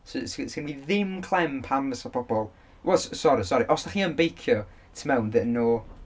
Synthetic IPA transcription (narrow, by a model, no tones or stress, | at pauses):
səsɡsɡənviðɪmkʰlˠɛmpʰamvəsab̥ɔbɔlˠ | wɛlˠssɔɾisɔɾiʔɔsd̥aχiːənbejkʰjɔ | tʰmɛwnðɪnoː